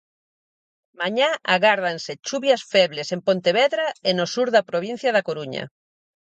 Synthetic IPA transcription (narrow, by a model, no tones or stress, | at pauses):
maɲaaɣaɾð̞anset͡ʃuβjasfɛβlesempont̪eβɛðɾaenosuɾðapɾoβ̞ĩn̟θjaðakoɾuɲa̰